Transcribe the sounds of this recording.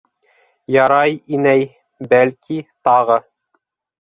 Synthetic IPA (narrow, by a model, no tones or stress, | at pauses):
jɑɾɑjinæj | bælkʰit̪ɑʁɤ